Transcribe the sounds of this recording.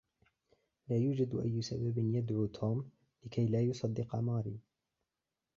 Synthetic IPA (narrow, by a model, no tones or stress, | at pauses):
laːjuːd͡ʒad̪ʔajːʊsababɪnjad̪ʕuːt̪ʰuːm | lɪkʰajlaːjʊsˤɑd̪ːɪqɑ̰mɑːɾḭː